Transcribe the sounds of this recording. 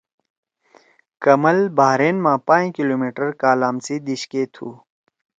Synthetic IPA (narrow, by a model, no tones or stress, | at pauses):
kɐmɐlbaːɾeːnmãːpãːj̃kiloːmiːʈəɾkaːlaːmsid̪iɕkeːt̪ʰṵː